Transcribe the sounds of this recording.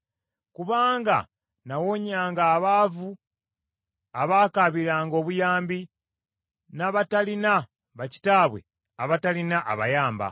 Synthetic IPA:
kuβaːŋɡa̰ | nawoɲaːŋɡaːβaːvu | aβaːkaβiɾaːŋɡo̞ːβujaːmbi | naβatalina | βaci̥taːβwe̞̰ | aβatalinaʔaβa̰jaːmba̰

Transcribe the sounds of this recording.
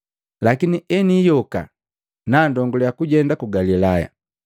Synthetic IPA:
lakiniɛnijɔka̰ | naːndɔŋɡɔljakuɟɛndakuɡalilaja̰

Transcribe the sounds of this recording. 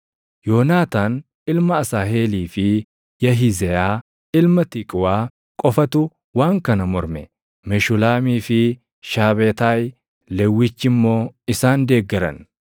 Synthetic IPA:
joːnaːt̪aːn | ɪlmɐːsaːɦeːliːfɪ | jɐɦɪzɛjaː | ɪlmɐt̪ɪkʼʊwaː | kʼɔfɐt̪ʊ | waːŋkɐnɐmɔɾmɛ̰ | mɛʃʊlaːmiːfɪ | ʃaːbeːt̪aːj | lɛwːɪt͡ʃːɪmːo̞ːɪsaːnd̪e̞ːɡːɛɾɐ̰n

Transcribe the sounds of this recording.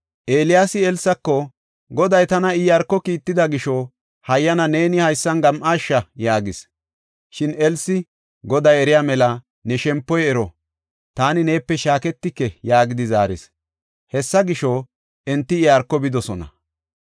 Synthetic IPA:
ʔeːlɪjaːsɪɛlsɐkːɔ | ɡɔd̪ɐjt̪ɐnɐɪjaɾkːɔkiːt̪ːɪd̪ɐɡɪʃɔ | hɐjːɐnɐne̞ːnɪhɐjsːɐnɡɐmʔaːʃːɐjaːɡɪs | ʃɪnɛlsɪ | ɡɔd̪ɐjɛɾɪjaːmɛlɐ | nɛʃɛmpːɔjɛɾɔ | t̪aːnɪne̞ːpːɛʃaːkɛt̪ːɪkːɛjaːɡɪd̪ɪza̰ːɾɪs | hɛsːɐɡɪʃɔ | ɛnt̪ːɪɪjaɾkːɔbɪd̪ɔsɔnɐ̰

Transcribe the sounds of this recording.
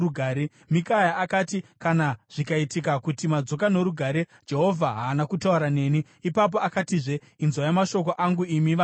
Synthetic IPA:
uɡʱaːɾe | mikajaakatikanaʐ̥ikaitikakutimad͡zo̞kano̞ɾuɡʱaɾe̞ | d͡ʒe̞ɦo̞vʱaɦaːnakutauɾane̞ːniːpap̬o̞akatiʐe̞ | inzwajamaʃo̞ko̞ʔaŋɡuimiʋa

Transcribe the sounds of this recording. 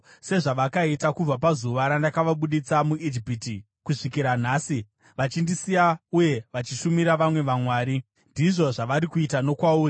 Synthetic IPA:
se̞ʐaʋakaitakub͡vapazuʋaɾandakaʋaɓuɗit͡samuid͡ʒipiti | kuʂikiɾan̤aːsi | ʋat͡ʃindisijauje̞ʋat͡ʃiʃumiɾaʋamwe̞ʋamwaːɾi | ndiʐo̞ʐaʋaɾikuitano̞kwauːri

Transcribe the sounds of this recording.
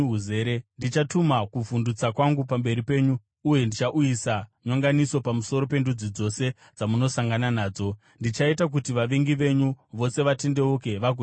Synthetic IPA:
ɦuze̞ɾendit͡ʃatumakuvundut͡sakwaŋɡupambe̞ɾipe̞ːɲuː | je̞ndit͡ʃaʔujisaɲoŋɡaniso̞pamuso̞ɾo̞pe̞ndud͡zid͡zo̞se̞ | d͡zamuno̞saŋɡananaːd͡zo̞ | ndit͡ʃaitak̬utiʋaʋiŋɡiʋe̞ɲuʋo̞se̞ʋatende̞uke̞ʋak̬u

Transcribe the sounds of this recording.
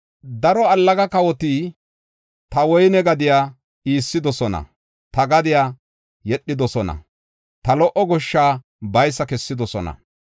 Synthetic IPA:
d̪ɐɾɔɐlːɐɡɐkɐwɔt̪iː | t̪ɐwɔjnɛɡɐd̪ɪjaː | iːsːɪd̪ɔsɔnɐ̰ | t̪ɐɡɐd̪ɪjaː | jɛɗːɪd̪ɔsɔnɐ̰ | t̪ɐlɔʔɔɡɔʃːaː | bɐjsːɐkɛsːɪd̪ɔsɔnɐ̰

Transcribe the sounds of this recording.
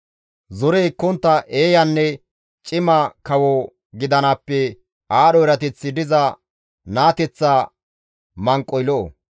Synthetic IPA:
zɔɾɛjkːɔnt̪ːɐʔe̞ːjɐnːɛ | t͡ʃʼɪmɐkɐwɔ | ɡɪd̪ɐnɐpːɛ | ʔaːɗɔɪɾɐt̪ɛt͡sːɪd̪ɪzɐ | naːt̪ɛt͡sːa | mɐŋkʼːɔjlɔʔo̰

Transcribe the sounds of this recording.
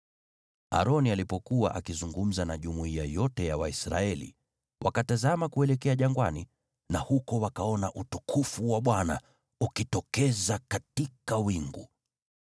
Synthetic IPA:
a̰ɾɔnialipɔkuwa̰ʔakizuŋɡum̩zanaʄumuiajɔtɛjawaisɾa̰ɛlḭ | wʔa̰katazamakuɛlɛkɛaʄaŋɡwa̰ni | nahukɔwakaɔnaʔutukʰufuwaɓwana̰ | ukitɔkɛzakatikawiŋɡu

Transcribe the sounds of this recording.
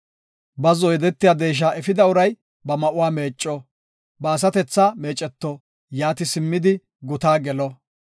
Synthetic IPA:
bɐzɔjd̪ɛt̪ːɪjaːd̪eːʃ̬aːɛfɪd̪ɐʊɾɐj | bɐmɐʔʊwaːme̞ːt͡ʃʼːɔ | bɐːs̬ɐt̪ɛt͡sːaːme̞ːt͡ʃʼɛt̪ːɔ | jaːt̪ɪsɪmːɪd̪ɪ | ɡʊt̪aːɡɛlɔ

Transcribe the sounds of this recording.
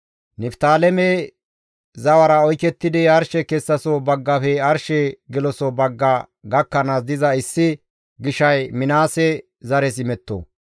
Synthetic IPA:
nɪft̪aːlɛme | zɐwɐɾɐɔjkɛt̪ːɪd̪ɪɐɾʃɛkɛsːɐsobɐɡːɐfɛɐɾʃɛɡɪlɔsɔbɐɡːɐɡɐkːɐnasd̪ɪzɐɪsːɪ | ɡɪʃɐjmɪnaːsɛ | zɐɾɛs̬ɪmɛt̪ːo̰ː

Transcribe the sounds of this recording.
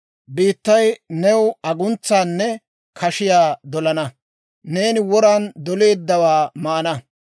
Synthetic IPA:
biːt̪ːɐjnɛwɐɡʊnt͡sːaːnːɛ | kʰɐʃɪjaːd̪ɔlɐnɐ | ne̞ːnɪwɔɾand̪ɔle̞ːd̪ːɐwaːmaːnɐ

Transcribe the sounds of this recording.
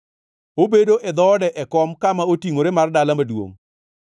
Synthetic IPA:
obedoʔɛd̪ɔdɛʔɛkɔmkamaotiŋoɾemardalamadwo̰ŋ

